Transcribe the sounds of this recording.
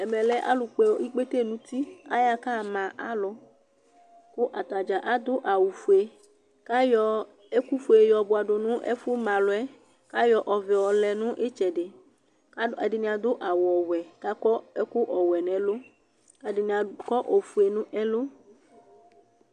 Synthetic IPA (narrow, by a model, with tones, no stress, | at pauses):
ɛ˨mɛ˨lɛ˦ʔa̰˦lʊ˨k͡pɛ˨wo˦ʔi˦k͡pe˦t̪e˦˨nũ˦t̪i˦a̰˦ja˦ka˦˨mã˨ʔa˦lɔ˦ | kʊ˦ʔa˨t̪a˨d͡ʒa˨ʔa˦d̪ʊ˦ʔa˨wu˨fu˨e˨ | ka˦jɔ˨˦ | e˦ku˦fu˨e˨jɔ˨bʊ˨a˨ɖo˨nũ˦ʔɛ̰˦fu˦mã˨lʊ˨ɛ˦ | ka˦jɔ˨ʔɔ˨vɛ˨wɔ˨lɛ˨nũ˦ʔe˦t͡ʃɛ˨ɖe˨˦ | a˨dɪ˨nĩ˨a˨d̪ʊ˦ʔa˨wɔ˨wɛ˨ka˦kɔ˦e˦ku˦ʔɔ˨wɛ˨nɛ̃˨lo˦ | a˨dɪ˨n˨a˨kɔ˦ʔo˨fu˨e˨nũ˦ʔɛ˦lo˦